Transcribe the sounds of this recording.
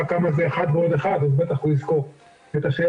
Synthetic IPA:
akamazeːχad̪huod̪eχad̪azbet̪aχuizko | et̪aʃe

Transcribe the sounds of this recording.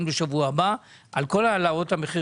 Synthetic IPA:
nbeʃavuaba | ʔalko̞lalao̞thameχi

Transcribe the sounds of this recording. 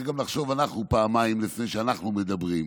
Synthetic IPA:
ɡamlaχʃovanaχnupaːmajimlɪfnejʃəanaχnumɛdabʁim

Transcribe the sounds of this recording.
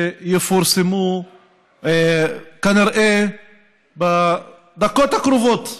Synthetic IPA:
jefoɾsemu | ekaniɾʔe | ba | d̪akot̪akɾuvot̪

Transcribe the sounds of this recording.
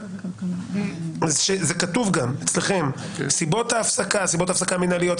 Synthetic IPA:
zʃezekatuvɡamet͡sleχe̞m | sibo̞taːfsakasibot̪afsakaminalijo̞t

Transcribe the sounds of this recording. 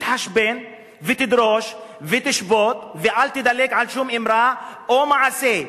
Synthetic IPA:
t̪ħaʃben | vet̪id̪ɾoʃvet̪iʃbot̪veʔalt̪id̪aleɡʕalʃumʔimɾaʔomaʕase

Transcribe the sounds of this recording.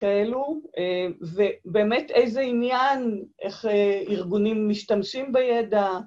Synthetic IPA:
kaeluevebe̞ːmetejzeinjanʔḛχeiʁɡunimːiʃtamʃimbejeda

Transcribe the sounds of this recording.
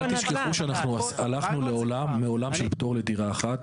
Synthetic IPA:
t̪iʃkeχuʃeanaχnuasalaχnule̞olamːeo̞lamʃe̞lpt̪o̞ʁle̞d̪iʁaːχat̪

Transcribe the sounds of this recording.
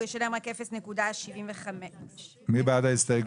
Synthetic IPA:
jeʃeleemʁakːefesnekud̪aʃivimveχame | mibad̪ast̪aɡ

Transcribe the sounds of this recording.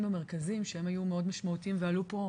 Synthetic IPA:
mame̞ʁkazimʃeemajumeo̞dmaʃmaut̪iimvealupo̞

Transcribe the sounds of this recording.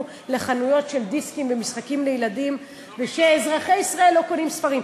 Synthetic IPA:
le̞χanujo̞tʃe̞ld̪iskimvemisχakimlejladim | veʃeːzʁaχejisʁae̞lːo̞ko̞nimsfaʁim

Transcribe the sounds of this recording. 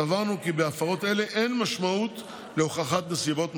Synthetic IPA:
avaʁnukibeafaʁo̞t̪e̞le̞ʔenmaʃmaut̪ | leoχaχat̪nesibo̞t̪m

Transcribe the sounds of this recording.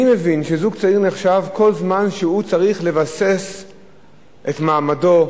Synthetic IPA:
ime̞vinʃezuɡ̚t͡saiʁneχʃavko̞lzmanʃeut͡saʁiχle̞vase̞s | ʔetmaːmado̞

